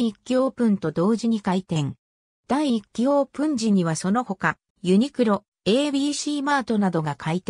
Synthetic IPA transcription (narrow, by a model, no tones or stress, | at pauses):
ikʲːijo̞ːpɯ̟̃nt̪o̞d̪o̞ːʑiɲ̟ikait̪ẽ̞ŋ | d̪̥aikʲːijo̞ːpɯ̟̃ɲ̟d͡ʑiɲ̟iβaso̞no̞ho̞ka | jɯ̟ɲ̟ikɯ̟ɾo̞ | e̞ːbʲiːɕiːmaːt̪o̞nad̪o̞ɡakʰait̪e